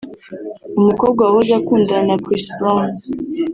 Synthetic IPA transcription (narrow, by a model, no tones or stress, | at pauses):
umukɔɡwawozakuːndanakɾisbɔn